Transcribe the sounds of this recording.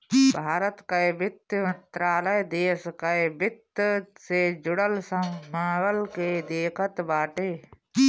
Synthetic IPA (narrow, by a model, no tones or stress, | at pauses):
bʱaːɾət̪kabɪt̪ːjmɐnt̪ɾaːləjd̪eːskabɪt̪ːsed͡ʒʊɽəlsɐ̃mmaːwəlked̪eːkʰət̪baːʈeː